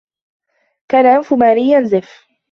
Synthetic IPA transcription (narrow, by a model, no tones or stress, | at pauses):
kaːnaʔamfʊmaːɾɪjːanzɪf